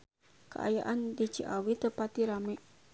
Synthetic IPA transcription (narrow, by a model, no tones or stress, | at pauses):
kəʔa̰jaʔandit͡ʃiʔawit̪əpat̪iɾamɛʔ